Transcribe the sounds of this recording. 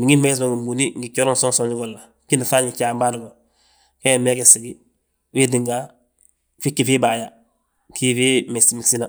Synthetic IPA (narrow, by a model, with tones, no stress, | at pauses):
bi˨ŋi˦me˦sma˨ŋɡi˨mbuni˦ŋɡi˨t͡ʃo˦ɾo˦nso˦nsoni˦ɡolːa | ki˦nda˨fa˦ɲi˨t͡ʃaː˨mba˦du˨ɡo˨ | ke˦me˦ɡesiɡi | wi˦diŋɡa˦ | fi˦kːi˨fiː˦baː˨ja | ki˦fimesimisi˦na